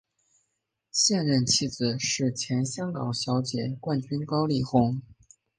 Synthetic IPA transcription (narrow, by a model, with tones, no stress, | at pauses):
ɕjɛ˥˧nɻə˥˧nt͡ɕʰi˥˩d͡zɹ̩˨˩ʂɻ̩˥˩t͡ɕʰjɛ˧˥nɕjɑ˥ŋkɑ˨˩ŋɕjɑ˧˥ʊt͡ɕjɛ˨˩kwa˥˩nt͡ɕy˥nkɑ˥ʊli˥˩xʊ˥ŋ